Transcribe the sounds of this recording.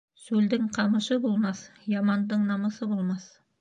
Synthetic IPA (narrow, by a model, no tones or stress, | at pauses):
sɵld̪ɪŋqʰɑməʃəbolˠmɑsjɑmɑnd̪əɴnɑməsəbolˠmɑs